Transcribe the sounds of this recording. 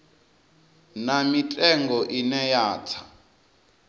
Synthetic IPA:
namitʼɛŋɡɔʔinɛjaːt͡sʰḁ

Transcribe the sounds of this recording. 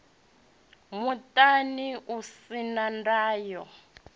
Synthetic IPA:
mutʼaniʔusinandaːjɔ

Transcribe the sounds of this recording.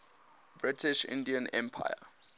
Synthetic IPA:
b̥ɹitʰiʃɪ̰̃ndiãnɛ̰̃mpʰa̰ja̰

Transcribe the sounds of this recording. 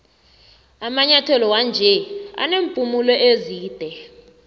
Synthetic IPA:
amaɲatʰɛlɔwand͡ʒʱɛa̰nempʼumulɔʔeziːd̥ʱɛ

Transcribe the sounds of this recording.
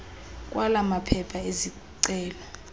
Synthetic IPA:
k̬ʼwalamapʰɛpʰaezi | ǀɛːla

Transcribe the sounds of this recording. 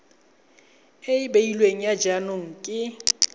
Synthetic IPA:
ɪbeilweŋ̩jad͡ʒanoŋ̩kʼɪ

